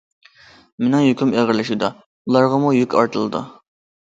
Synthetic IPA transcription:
menɪ̃ŋɦykʲymeʁəɾlɪʃud̪ɑ | ulˠɑɾʁɑmujykʲɑ̰ɾt̪ʰɨlˠɨd̪ṵ

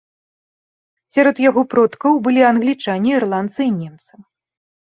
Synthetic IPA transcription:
sʲaɾɔt̪jaɣɔpɾɔt̪kɐwbɨlʲianɣlʲit͡ʂanʲiːrlˠant̪sɨinʲɛmt̪sɨ

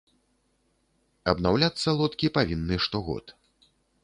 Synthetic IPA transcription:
ɐbnawlʲat̪sːɐlˠɔt̪kʲipavʲinːɨʂt̪ɔɣɔ̰t̪

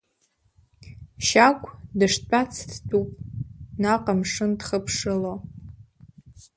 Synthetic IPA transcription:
ʃakʷʼʰdɨʂt͡pʷʼat͡sʰdtʼupʼnaqʼamʂɨndχəpʰʂɨlo

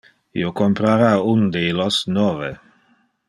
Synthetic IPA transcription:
ḭokompɾaɾaund̪ejlosnovḛ

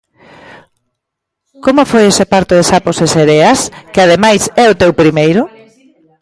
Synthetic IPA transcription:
komʊfojesepaɾt̪oðɪsaposeseɾeaɐskɪað̞emajsɛʊt̪ewpɾimejɾʊ

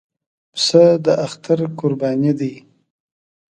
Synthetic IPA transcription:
psəd̪əʔaxt̪aɾkʊɾbɑnid̪ij

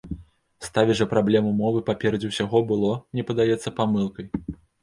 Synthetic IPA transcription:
st̪avʲiʐɐpɾablʲɛmumɔvɨpapʲɛɾɐd͡zʲiwsʲaɣɔbɨlˠɔnʲɛpɐd̪ajɛt̪sːɐpamɨlˠkɐj

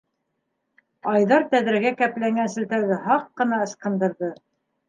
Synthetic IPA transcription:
ɑjðɑɾt̪æðɾɘɡækæplæŋɡænsɘ̆lt̪æɾðɘhɑqːɤ̆nɑɤ̆ʃqɤ̆nd̪ɤ̆ɾðɤ

